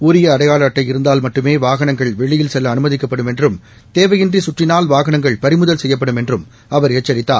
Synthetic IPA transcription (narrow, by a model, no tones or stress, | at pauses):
ʊɾɪjɐːɽɐjaːɭaːʈːɐɪɪɾɯnd̪aːlmɐʈːɯmeːʋaːɣɐɳɐŋɡɐɭʋɛɭɪjɪlsɛlːɐːnɯmɐðɪkːɐpːɐɽɯmɛndrɯm | t̪eːʋɐjɪndrisʊʈrɪnaːlʋaːɣɐnɐŋɡɐɭpɐɾɪmʊðɐlsɛjːɐp̬ːɐɽɯmɛndrɯm | ɐʋɐɾɪːt͡ʃːɐɾɪt̪ːa̰ː